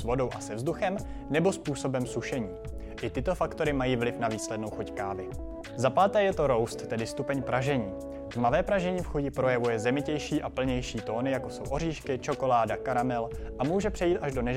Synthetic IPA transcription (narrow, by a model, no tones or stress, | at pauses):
svo̞do̞wʔasɛvzduxɛm | nɛbo̞spuːso̞bɛmsuʃɛɲiː | ʔɪt̪ɪt̪o̞fakt̪o̞ɾɪmajiːvlɪfnaviːslɛdno̞wxuckaːvɪ | zapaːt̪ɛːjɛt̪o̞ɾo̞wst̪ːɛdɪst̪upɛɲpɾʔaʒɛɲiː | vmavɛːpɾaʒɛɲiːfxuɟɪpɾo̞jɛvujɛzɛmɪcɛjʃiːʔapl̩ɲɛjʃiːt̪o̞ːnɪjako̞so̞wʔo̞r̝iːʃkɪt͡ʃo̞ko̞laːdakaɾamɛlʔamuːʒɛpr̥ɛjiːt̪ʔaʒdo̞nɛʒ